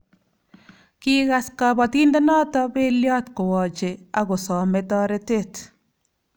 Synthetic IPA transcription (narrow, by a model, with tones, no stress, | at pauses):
ki˦ɣa˨ska˨bɔ˨ti˦nde˦nɔ˦tɔ˦be˦ljɔ˦tko˨wɔ˨t͡ʃea˦ɣo˨sɔ˨metɔ˦ɾe˦te˨t